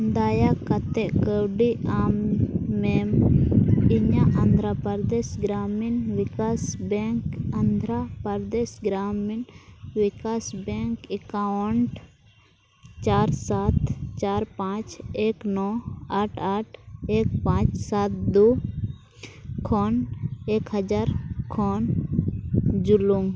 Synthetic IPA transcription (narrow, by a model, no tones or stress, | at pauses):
nd̪ajakat̪ɛʔkəwɖiamːɛm | iɲaʔɐnd̪ʱɾapaɾd̪ɛsɡɾaminwikasbɛŋkand̪ʱɾapəɾd̪ɛsɡɾaminwikasbɛŋkɛkawɳʈ | t͡ʃaɾsat̪t͡ʃaɾpãt͡ʃeknɔaʈʰaʈʰek̚pãt͡ʃsat̪̚d̪u | kʰɔnekhəd͡ʒaɾkʰɔn | d͡ʒuluŋ